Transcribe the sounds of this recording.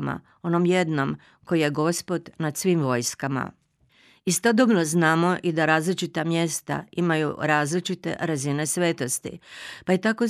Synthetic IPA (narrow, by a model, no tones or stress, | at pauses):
ma̰ | o̞no̞mje̞d̪no̞m | ko̞jije̞ɡo̞spo̞d̪nad̪sʋimʋo̞ːjskama̰ | ist̪od̪obnoznaːmo̞ʔid̪aɾaːzlit͡ʃit̪amje̞st̪a̰imajṵɾaːzlit͡ʃit̪e̞̰ɾazine̞sʋe̞ːt̪o̞st̪ḭpaet̪ako̞